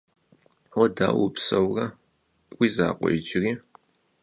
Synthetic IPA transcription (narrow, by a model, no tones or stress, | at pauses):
ɔda̰ːwʊpsɐwrɐ | wʷizaːqʷʼɔ̰jd͡ʒɪriː